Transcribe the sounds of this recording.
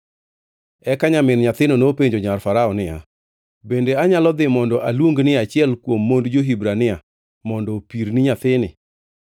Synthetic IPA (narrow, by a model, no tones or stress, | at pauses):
ɛkaɲamɪnɲat̪ɪnonopeɲd͡ʒoɲarfaɾaɔnɪa̰ | bendeaɲalɔd̪ɪmɔndɔʔalwoŋɡnɪat͡ʃɪɛlkwomːondd͡ʒoɦibɾanɪa | mɔndɔpiɾnɪɲat̪ɪnɪ̰